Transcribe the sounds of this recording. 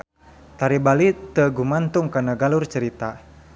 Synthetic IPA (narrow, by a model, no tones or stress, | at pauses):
t̪aɾibalit̪əɡumant̪uŋkanaɡalurt͡ʃəɾit̪a